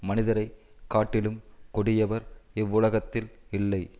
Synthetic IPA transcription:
mɐnɪðɐɾɐɪkaːʈːɪlɯmkɔɽɪjɐʋɐɾɪʋːʊlɐɣɐt̪ːɪlɪlːɐɪ

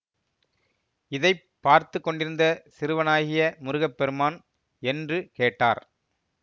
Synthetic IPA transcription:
ɪðɐɪpːaːɾt̪ɯkːɔɳɖɪɾɯnd̪ɐsɪɾɯʋɐnaːɣɪjɐmʊɾɯɣɐpːɛɾɯmaːn | ɛndrɯkeːʈːa̰ːɾ

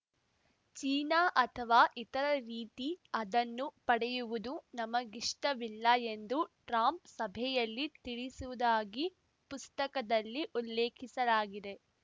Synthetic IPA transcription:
t͡ʃiːnaːʔɐt̪ʰɐʋaːʔit̪ɐɾɐɾiːt̪iɐd̪ɐnːupɐɽɛjuʋud̪unɐmɐɡiʂʈɐʋilːɐe̞nd̪uʈɾaːmpsɐbʱɛjɐlːit̪iɭisuʋud̪aːɡi | pust̪ɐkɐd̪ɐlːiʔulːeːkʰisɐlaːɡid̪e̞

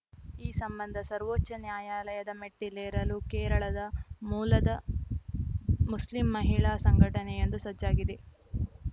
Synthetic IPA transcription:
iːsɐmbɐnd̪ʱɐsɐɾʋoːt͡ʃːɐnjaːjaːlɐjɐd̪ɐme̞ʈːileɾɐlukɛːɾɐɭɐd̪ɐmuːlɐd̪ɐ | muslimːɐɦiɭaːsɐŋɡʱɐʈɐnɛjend̪usɐd͡ʒːaːɡid̪e

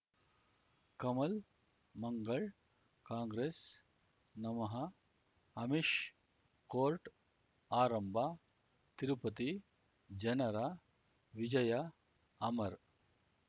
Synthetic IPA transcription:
kɐmɐl | mɐŋɡɐɭ | kaːŋɡɾeːs | nɐmɐɦɐ | ɐmiʃ | koːɾʈ | aːɾɐmbʱa | t̪iɾupɐt̪i | d͡ʒɐnɐɾa | ʋid͡ʒɐja | ɐmɐɾ

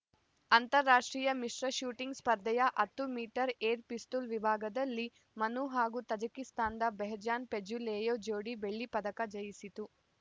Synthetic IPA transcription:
ɐnt̪ɐɾːaːʂʈɾiːjɐmiʂɾɐʃuːʈiŋɡspɐɾd̪ʱɐjɐʔɐt̪ːumiːʈɐɾeːɾpist̪ulʋibʱaːɡɐd̪ɐlːi | mɐnuɦaːɡut̪ɐd͡ʒɐkist̪aːnd̪ɐbɛɦɛd͡ʒaːnped͡ʒuleːjoːd͡ʒoːɽibeɭːipɐd̪ɐkɐd͡ʒɐjisit̪u

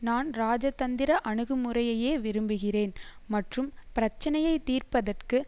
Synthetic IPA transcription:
naːnɾaːd͡ʒɐt̪ɐnd̪ɪɾɐʔɐɳɯɣɯmɯrɐjɐjeːʋɪɾɯmbɯɣɪreːnmɐʈrɯmpɪɾɐt͡ʃːɐnɐjɐɪt̪iːrpɐðɐrkɯ

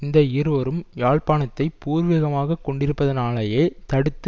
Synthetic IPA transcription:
ɪnd̪ɐɪɾɯʋɐɾɯmjaːɭpaːnɐt̪ːɐɪpuːɾʋeːɣɐmaːɣɐkːɔɳɖɪɾɯpːɐðɐnaːɭɐjeːt̪ɐɽɯt̪ːɯ

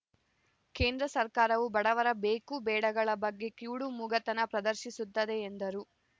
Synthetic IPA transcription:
ke̞ːnd̪ɾɐsɐɾkaːɾɐʋubɐɽɐʋɐɾɐbeːkubɛːɽɐɡɐɭɐbɐɡːe̞kiʋɽumuɡɐt̪ɐnɐpɾɐd̪ɐɾʃisut̪ːɐd̪e̞ːnd̪ɐɾu

